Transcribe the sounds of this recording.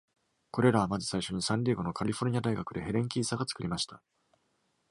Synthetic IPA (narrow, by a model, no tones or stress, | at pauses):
ko̞ɾe̞ɾaβ̞amazɨ̥saiɕo̞ɲ̟isãnʲɾʲiːɡo̞no̞kʰaɾʲiɸoɾ̟ɲ̟iad̪aiɡakɯ̟d̪e̞ɦe̞ɾẽ̞ŋk̬ʲiːsaɡat͡sɨ̥kɯ̟ɾʲimaɕi̥t̪ḁ